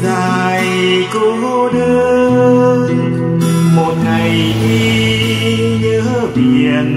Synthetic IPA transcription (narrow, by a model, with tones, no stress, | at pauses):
zaː˨˩j | ko˧˦ŋo˧ɗə˧ | n | mo˨˩t̚ŋa˨˩j | ŋi˧ | ɲɨ˧˦ | ɓi˧˨˩ən̚